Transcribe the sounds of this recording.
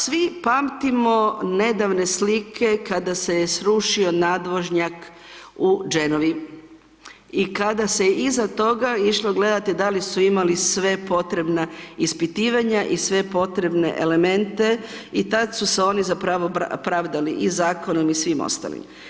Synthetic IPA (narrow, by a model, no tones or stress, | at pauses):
sʋipaːmt̪imo̞ne̞d̪aʋne̞slikʰe̞kad̪ase̞jesɾuʃio̞naːd̪ʋo̞ʒɲak | ud͡ʒe̞noʋi | ikad̪asejeʔizat̪o̞ɡaiʃloɡle̞d̪at̪id̪alisuimalisʋe̞po̞t̪ɾe̞bnaispit̪iːʋaɲaʔisʋe̞po̞t̪ɾe̞bne̞̰ʔḛle̞me̞nt̪e̞it̪ad̪suseo̞ːnizapɾaʋopɾaʋd̪aliʔizaːko̞nomisʋimo̰st̪a̰lḭm